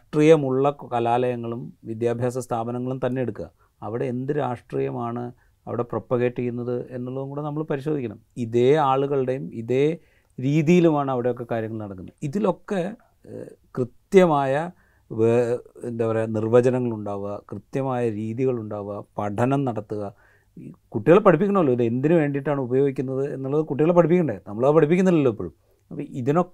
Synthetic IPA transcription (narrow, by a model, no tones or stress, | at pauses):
ʂʈrijɐmuɭːɐkɐlaːlɐjɐŋːɐɭumʋid̪jaːbʱjaːs̬ɐst̪ʰaːbɐnɐŋːɐɭumt̪ɐnːe̞jeɽukːuɣɐ̰ | ɐʋiɽe̞ːnd̪iɾaːʂʈrijɐmaːɳɨ | ɐ̰ʋiɽe̞propːɐɣe̞ːʈːikːunːɐðɨe̞nːuɭːɐðuŋkuːɽenɐmːɐɭpɐɾiɕod̪ikʲːɐɳɐmiðeːaːɭuɣɐɭɽe̞jumiðe̞ː | ɾiːðijilumaːɳɨɐʋiɽejo̞kːe̞kaːɾjɐŋːɐɭnɐɽɐkːunːɐiðilo̞kːe̞ | krɨt̪jɐmaːjɐ | ʋend̪eʋɐɾenirʋɐd͡ʑɐnɐŋːɐɭuɳɖaːʋɐkrɨt̪jɐmaːjɐɾiːðiɣɐɭuɳɖaːʋɐpɐɖʰʱɐnɐmnɐɽɐt̪ːuɣɐ | kuʈːijɐɭepːɐʈʰip̬ːikʲːuɳɐmɐlːoiðe̞nd̪inɨʋe̞ːɳɖiʈːaːɳɨubɐjo̞ːɡikʲːunːɐðɨe̞nːuɭːɐðɨkuʈːijɐɭepɐʈʰip̬ːikʲːuɳɖenɐmːɐɭɐːpɐʈip̬ːikʲːunːɐðilːoipːo̰ːɭm | ɐpːiðino̞